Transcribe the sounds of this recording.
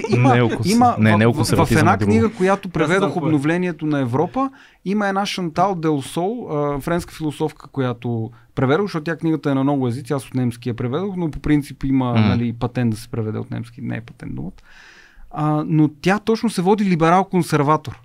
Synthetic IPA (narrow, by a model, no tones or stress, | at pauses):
ʔiməimənɛnɛovsɾvɐfɛnakniɡəkojat̪opɾɛvɛd̪oxobnovlɛniɛt̪onɐɛvɾɔpə | iməɛnaʃɐnt̪alˠd̪ɛlˠsɔlˠəfɾɛnskə̥filˠosɔfkʰə̥kojat̪o | pɾɛvɛd̪oɣzʃtɔt̪t̪ʲjakniɡət̪əɛnɐmnɔɡʊɛzit̪siaso̥t̪nɛmskʲijəpɾɛvɛd̪oxnopopɾint̪sipimənɐlipɐt̪ɛnd̪d̪ɐsɛ̥pɾɛvɛd̪ɛ̰o̰t̪nɛ̰mskʲinɛ̰ːpɐ̥t̪ɛ̰nd̪d̪ṵmət̪ | ənot̪ʲjat̪ɔt͡ʃnosɛvɔd̪ilibɛɾalˠkonsɛɾvat̪oɾ